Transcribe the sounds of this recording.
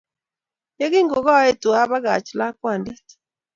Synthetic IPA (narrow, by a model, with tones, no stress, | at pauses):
je˦ɣi˦ŋɡo˨ɣa˦e˦tu˨a˦βa˦ɣa̰˨t͡ʃla˦kwa˨ndi˦t